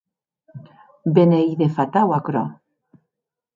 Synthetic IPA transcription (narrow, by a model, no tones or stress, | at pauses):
benejðefat̪awakɾo̰